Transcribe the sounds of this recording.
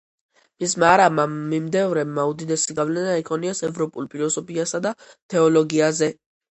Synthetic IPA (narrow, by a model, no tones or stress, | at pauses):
mismaɾamamimd̪ɛvɾɛmaud̪id̪ɛsiɡavlɛnaikʰʼɔniasɛvɾɔpʼulˠpʼiɾɔsɔpʰiasad̪a | t̪ʰɛɔlɔɡiazɛ